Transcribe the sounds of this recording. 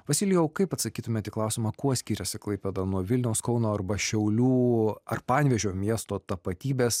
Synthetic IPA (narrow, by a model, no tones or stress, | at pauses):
ʋɐsʲɪlʲɪjɛʊkɐɪpɐt̪sɐkʲiːt̪ʊmʲeːt̪iːklˠɐˑʊsʲɪmɑːkuɔsʲkʲiːɾʲɛsʲɪklˠɐɪpʲeːd̪ɐnuɔʋʲɪlʲnʲɛʊskɔʊnoːɐrbɐʃʲɛʊlʲuːɐrpɑːnʲʋʲɛʒʲoːmʲiɛst̪oːt̪ɐpɐt̪ʲiːbʲeːs